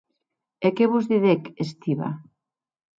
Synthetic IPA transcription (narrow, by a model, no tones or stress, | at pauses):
ekeβuzðiðekest̪iβa̰